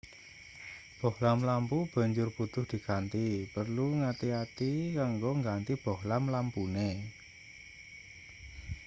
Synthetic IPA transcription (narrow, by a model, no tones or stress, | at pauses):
b̥ɔhlamlampub̥a̤ɲd͡ʒʊrput̪ʊhd̪̥i̤kant̪ipərluŋat̪iat̪ikaŋɡoŋɡant̪ib̥ɔ̤hlamlampune